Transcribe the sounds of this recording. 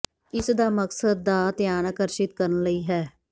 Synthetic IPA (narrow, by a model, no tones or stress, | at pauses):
ɪsd̪aːməksəd̪̚ːaːt̪jaːnakəɾʃɪt̪̚kəɾənləiːɦɛː